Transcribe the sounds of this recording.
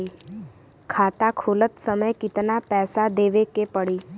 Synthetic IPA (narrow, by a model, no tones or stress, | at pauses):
iː | kʰaːt̪akʰuːlət̪səməjkɪt̪napɛːsad̪eːʋekepəɽiː